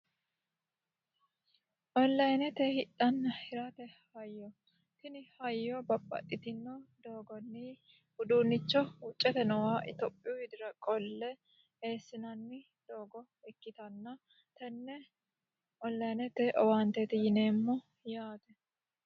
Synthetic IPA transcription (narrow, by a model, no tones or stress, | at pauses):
ʔɔnlɐjnɛt̪ɛhɪt̪ʼːɐnːɐhɪɾɐt̪ɛhɐjːɔ | t̪ɪnɪhɐjːɔbɐpʼːɐ̰t̪ʼːɪt̪ɪnːɔd̪o̞ːɡɔnːɪ | hʊd̪uːnːɪt͡ʃːɔʊt͡ʃʼːɛt̪ɛnɔwaːʔɪ̰t̪ɔpʼːɪjɔhɪd̪ɪɾɐkʼɔlːɛ | e̞ːsːɪnɐnːɪ | d̪̥oːɡɔ | ɛkːɪt̪ɐnːɐ | t̪ɐnːɛ | ʔɔnlɐjnɛt̪ɛʔɔwaːnt̪et̪ɪjɪneːmːɔ | jaːt̪ɛ